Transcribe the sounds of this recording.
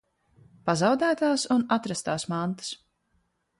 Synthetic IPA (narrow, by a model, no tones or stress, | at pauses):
pazɑwd̪æːt̪aːsunat̪ɾast̪aːsmant̪ḁs